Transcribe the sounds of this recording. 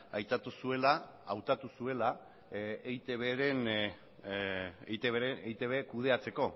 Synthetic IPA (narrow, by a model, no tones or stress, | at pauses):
ajt̪at̪usue̞laa̰wt̪at̪usue̞la | ejt̪eβeɾen | ejt̪eβeɾeejt̪e̞βe̞kuð̞e̞at͡se̞ko̞